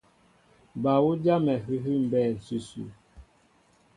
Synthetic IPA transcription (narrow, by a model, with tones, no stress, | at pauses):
ba˨wu˦d͡ʒa˦mɛ˨ɦʉ˦ɦʉ˦m̩˨bɛː˦˨n̩˨su˦sṵ˦˨